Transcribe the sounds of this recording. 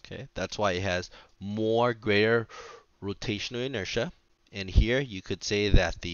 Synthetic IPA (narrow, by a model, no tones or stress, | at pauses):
okʰeɪðætswaɪɨt̚hɨz̥mɔɹɡɹeɪɾə˞ | ɹoʊtʰeɪʃə̃n̩l̩ˠɨnɜ˞ʃə | ɨ̃nhiɹjɨkʰɨd̥seɪðɨt̪̚ðɨ